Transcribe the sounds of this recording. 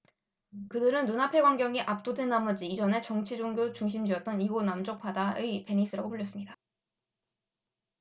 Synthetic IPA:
kɯdɯɾɯnːunapʰe̞ɡwaŋɡjʌŋiʔap̚t͈odenːamʌd͡ʑiːd͡ʑʌne̞t͡ɕʌŋt͡ɕʰid͡ʑoŋɡjot͡ɕuŋɕ̬ʰimd͡ʑiʌt̚t͈ʌniɡonamd͡ʑok̚pʰadaɯipe̞ɲis͈ʰɯɾaɡopuʎːjʌs͈ɯmɲida

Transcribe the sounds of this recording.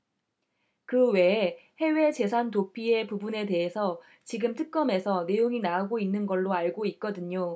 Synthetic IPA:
kɯwe̞he̞we̞t͡ɕe̞sʰantopʰie̞pubune̞te̞ɦesʰʌ | t͡ɕiɡɯmtʰɯk̚k͈ʌme̞sʰʌne̞joŋinaaɡoinːɯnɡʌɭːoaɭɡoit̚k͈ʌdɯɲo

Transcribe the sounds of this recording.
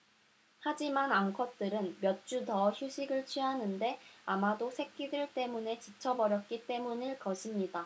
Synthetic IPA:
had͡ʑimanaŋkʰʌt̚t͈ɯɾɯnmjʌt̚t͡ɕ͈utʌçjuɕʰiɡɯɭt͡ɕʰɥiɦanɯnde̞amadosʰe̞k̚k͈idɯɭt͈e̞mune̞t͡ɕit͡ɕʰʌbʌɾjʌt̚k͈it͈e̞munɯɭkʌɕʰimɲida

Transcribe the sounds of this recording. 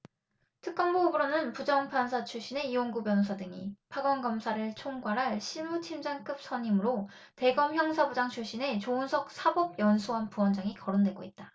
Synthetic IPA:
tʰɯk͈̚ʌnboubɯɾonɯnpud͡ʑʌŋpʰansʰat͡ɕʰuɭɕ͈ine̞ionɡubjʌnsʰadɯŋḭpʰaɡʌnɡʌmsʰaɾɯɭt͡ɕʰoŋɡwaɾɦaɭɕʰiɭmutʰimd͡ʑaŋk͈ɯp̚s͈ʌɲimɯɾo | te̞ɡʌmçjʌŋsʰabud͡ʑaŋt͡ɕʰuɭɕ͈ine̞t͡ɕonsʰʌk̚s͈ʰabʌb̚jʌnsʰuɦanpuwʌnd͡ʑaŋikʌɾondwe̞ɡoit̚t͈a

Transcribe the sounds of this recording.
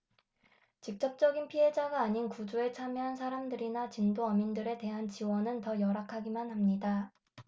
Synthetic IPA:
t͡ɕik̚t͡ɕ͈ʌp̚t͡ɕ͈ʌɡinpʰiɦe̞d͡ʑaɡaːɲinkud͡ʑue̞t͡ɕʰamjiɦans̬ʰaɾamdɯɾinat͡ɕindoʌmindɯɾe̞te̞ɦant͡ɕiwʌnɯntʌjʌɾakʰaɡimanhamɲida

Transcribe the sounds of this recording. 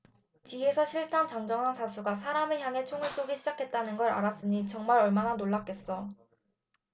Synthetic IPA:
t͡ɕie̞sʰʌɕʰiɭtʰant͡ɕaŋd͡ʑʌŋɦansʰasʰuɡasʰaɾameçjaŋe̞t͡ɕʰoŋɯɭs͈oɡiɕʰid͡ʑakʰe̞t̚t͈anɯnɡʌɾa̰ɾas͈ɯɲit͡ɕʌŋmaɾʌɭmananoɭːak͈̚e̞s͈ʌ

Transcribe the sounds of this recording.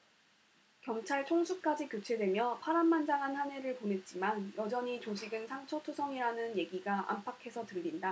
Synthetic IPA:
kjʌŋt͡ɕʰaɭt͡ɕʰoŋsʰuk̚k͈ad͡ʑikjut͡ɕʰe̞dwe̞mjʌpʰaɾanːand͡ʑaŋɦanhane̞ɾɯɭponɦe̞t̚t͡ɕ͈imanjʌd͡ʑʌɲit͡ɕoɕʰiɡɯnsʰaŋt͡ɕʰʌtʰusʰʌŋiɾanɯnje̞ɡiɡaʔa̰mpʰakʰe̞sʰʌtɯʎːinda

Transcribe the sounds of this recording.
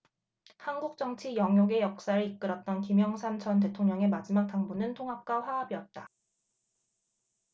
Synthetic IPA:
hanɡuk̚t͡ɕ͈ʌŋt͡ɕʰijʌŋjoɡe̞jʌk̚s͈aɾɯɾik͈̚ɯɾʌt̚t͈ʌnkimjʌŋsʰant͡ɕʰʌnt̬e̞tʰoŋɲʌŋe̞mad͡ʑimak̚t͈aŋbunɯntʰoŋɦap̚k͈aɸwaabiʌt̚t͈a

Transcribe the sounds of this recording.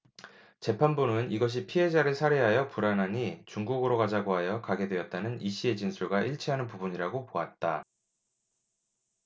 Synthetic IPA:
t͡ɕe̞pʰanbunɯniɡʌɕ̬ʰipʰiɦe̞d͡ʑaɾɯɭsʰaɾeɦajʌpuɾanɦaɲit͡ɕuŋɡuɡɯɾokad͡ʑaɡoɦajʌkaɡe̞dwe̞ʌt̚t͈anɯniɕ͈ie̞d͡ʑinsʰuɭɡaʔiɭt͡ɕʰiɦanɯnpubuɲiɾaɡopoat̚t͈a

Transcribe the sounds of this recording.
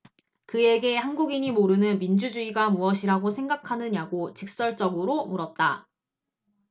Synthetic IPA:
kɯe̞ɡe̞hanɡuɡiɲimoɾɯnɯnmind͡ʑud͡ʑuiɡamuʌɕʰiɾaɡosʰe̞ŋɡakʰanɯɲaɡot͡ɕik̚s͈ʌɭt͡ɕ͈ʌɡɯɾomuɾʌt̚t͈a̰

